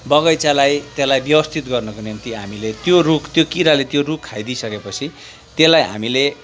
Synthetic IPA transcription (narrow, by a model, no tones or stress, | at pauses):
bʌɡʌjt͡salajt̪elajbjʌbʌst̪ʰit̪ɡʌrnʌkonint̪iɦamilet̪jorukʰt̪jokiɾalet̪jorukʰːajd̪isʌkepʌt͡sʰi | t̪elajɦa̰mile